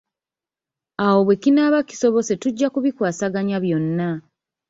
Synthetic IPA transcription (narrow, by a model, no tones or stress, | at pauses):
awo̞βwe̞kinaːβaki̥so̞βo̞se̞tuɟːakuβikwaːsaɡaɲaβjo̞nːa